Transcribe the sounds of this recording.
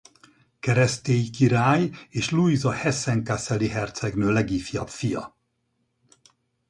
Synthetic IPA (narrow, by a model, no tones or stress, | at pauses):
kɛɾɛst̪eːjkiɾaːjeːʃluizɒhɛsɛŋkasɛliɦɛrt̪sɛɡnøːlɛɡiːfijɒpfijɒ̰